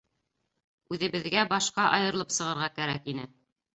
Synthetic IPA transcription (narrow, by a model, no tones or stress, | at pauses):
ʉðɘ̆βɘ̆ðɡæbɑʃqɑʔɑ̰jɤ̆ɾɤlˠɤpsɤ̆ʁɤ̆ɾʁɑkæɾækinɘ